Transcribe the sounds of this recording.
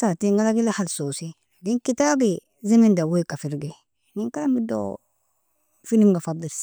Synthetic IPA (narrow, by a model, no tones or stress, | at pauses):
satiŋɡalaɡilahalsosi | diŋkitaːbi | zemindawoikafiɾɡe | niŋkalambido̰ | finimɡafad̪ːil